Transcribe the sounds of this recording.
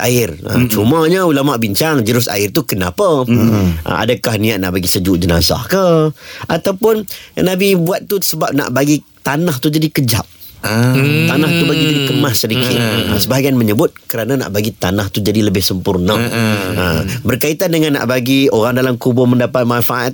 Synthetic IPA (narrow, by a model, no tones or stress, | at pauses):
ʔa̰ɪrə̰t͡ʃuməɲəulamaʔbiɲt͡ʃaŋd͡ʒəɾʊsa̰ɪrt̪ukənapə | ʔə̰a̰dakahniat̪̚na̰ʔbaɡisəd͡ʒuʔd͡ʒəna̰sa̰hkəʔat̪awpʊnnabibuat̪̚ːusəbap̚na̰ʔbaɡi | t̪anaht̪ud͡ʒadikəd͡ʒa̰p̚ | t̪anaht̪ubaɡid͡ʒadikəmassːədikɪt̪̚ə̰səbaɦɡianməɲəbʊt̪̚kəɾanana̰ʔbaɡit̪anaht̪ud͡ʒadiləbɪhsəmpʊrnəəmbərkait̪andəŋanːa̰ʔbaɡioɾaŋdalamkubʊməndapat̪̚manfaʔat̪̚